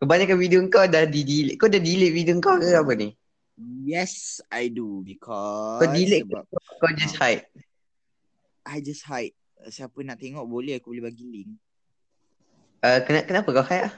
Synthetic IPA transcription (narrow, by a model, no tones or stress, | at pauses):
kəbaɲakanwidioəŋkawdahdidilɪʔkawdahdilɪʔ̚vidoŋkawkəapəni | jɛsajdubikʰɔadilɪʔkkkawd͡ʒashajt̚ | ʔajd͡ʒasthajt̚ | siapənaʔt̪eŋɔʔbolɛhakubolɛhbaɡilɪŋ | əkənakənapəkahajʔlah